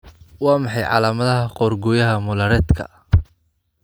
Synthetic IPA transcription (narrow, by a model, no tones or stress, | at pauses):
wɑːmɑħɑjʕɑ̰ːlaːmɐðɐɦɐqɔːrɡɔjɐɦɐmʊlɐɾɛːd̪kʰɐ̰